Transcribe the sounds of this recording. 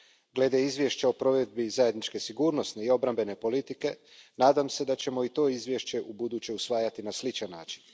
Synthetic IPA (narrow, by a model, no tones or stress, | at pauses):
ɡle̞d̪eizʋʲje̞ʃt͡ɕeo̞pɾo̞ʋe̞d̪̚bizajed̪nit͡ʃke̞siɡuːɾno̞sne̞io̞bɾambe̞ne̞po̞lit̪ike̞naːd̪amse̞d̪at͡ɕe̞mo̞it̪o̞izʋje̞ʃt͡ɕe̞ʔubud̪uːt͡ɕeusʋaːjat̪inaslit͡ʃanːaːt͡ʃi̥n